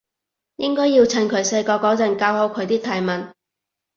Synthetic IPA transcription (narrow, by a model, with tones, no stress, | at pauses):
jɪ˥ŋkɔː˥jiː˧wt͡sʰɐ˧nkʰɵ˨˧˥ɥse˧jkɔː˧kɔː˨˥t͡sɐ˨˧˥nkaː˧who˨˥wkʰɵ˨˧ɥt̪iː˥t̪ʰaː˨˧˩jmɐ˨n